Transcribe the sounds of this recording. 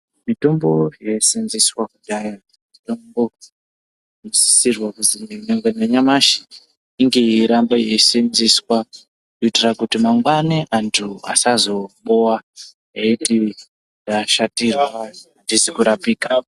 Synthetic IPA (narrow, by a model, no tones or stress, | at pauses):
mito̞mbojesinziswakuɗaja | mitombo | si̥sirwakuzineneŋɡeneɲamaʃi̥ | iŋɡeiɾambajesinziswa | noitirakutimaŋɡwaneʔantʰua̰sazo̞ɓowa | ɦeiti | daʃatirwa | ndizikuɾapika